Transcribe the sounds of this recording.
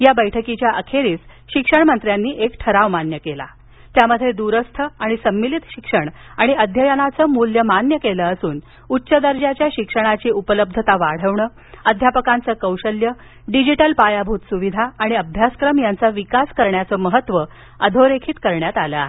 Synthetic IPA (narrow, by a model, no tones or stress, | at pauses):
jabəjʈʰəkit͡ɕjaʔəkʰeɾiːsɕikʂəɳmənt̪ɾjanːiːʔekʈʰəɾaʋmanjəkela̰ | t̪jaməd̪ʱːjed̪uɾəst̪ʰəaɽ̃isəmːilit̪ɕikʂəɳaɽ̃iəd̪ʱjəjənat͡səːmuljəmanjəkeləːsuːn | utːɕəd̪əɾd͡ʑat͡ɕjaɕikʂəɽ̃at͡ɕiːupələb̚d̪ʱət̪aʋaɽ̤əʋɳəː | əd̪ʱjapəkant͡səːkəwɕəljə | ɖid͡ʑiʈəlpajabʱut̪suʋid̪ʱaːɽ̃iəbʱjaskɾəmjant͡səʋikaskəɾɳjat͡səməɦət̪ʋə | əd̪ʱoɾekʰiːt̪kəɾɳjat̪alə̰aɦe